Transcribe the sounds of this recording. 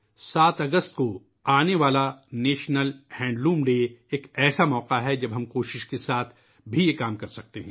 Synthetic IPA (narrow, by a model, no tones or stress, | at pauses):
saːt̪ɐɡəst̪̚ko | aːneʋaːlaneːʃnəlhɛ̃ːɳɖlũːmɖeːeːkɛːsamɔːqaɦɛd͡ʒɐbɦɐmkoːʃɪʃkesaːt̪ʰ | bʱijekaːmkɐɾsɐk̚t̪eɦɛ̃ː